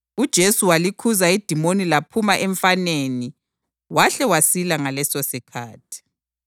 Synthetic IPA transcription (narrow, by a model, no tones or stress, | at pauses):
ud̥ʒ̥ʱesuwalikʰuzaid̥ʱimonilapʰumaʔɛɱfaneni | waɬɛwasilaŋalɛsosikʰaːtʰi̥